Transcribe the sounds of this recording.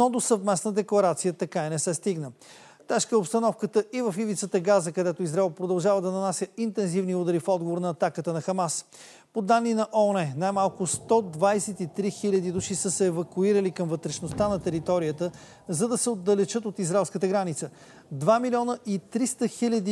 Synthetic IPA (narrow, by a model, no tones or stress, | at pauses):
ɔd̪osəvmɛsnəd̪ɛklˠɐɾat̪sijət̪ɐkainɛsɛst̪iɡnə | t̪ɛʃkəɛopst̪ɐnɔfkət̪əivəfivit̪sət̪əɡazəkɐd̪ɛt̪oizɾaɛlˠpɾod̪ɐlˠʒavəd̪ɐnɐnasʲjəint̪ɛnzivniud̪əɾifɔd̪̚ɡovoɾnɐːt̪akət̪ənɐxɐmas | pod̪anːinɐʔɔɔnɛnajmalˠkʊst̪ɔd̪vajsɛt̪it̪ɾixilʲɐd̪id̪uʃisəsɛɛvɐkuiɾəlikəmvət̪ɾɛʃnost̪anɐt̪ɛɾit̪ɔɾijət̪ə | zɐd̪ɐsɛod̪ːɐlɛt͡ʃɤt̪̬ot̪izɾaɛlˠskət̪əɡɾanit̪sə | d̪vamilʲɔnəʔit̪ɾist̪əxilʲəd̪i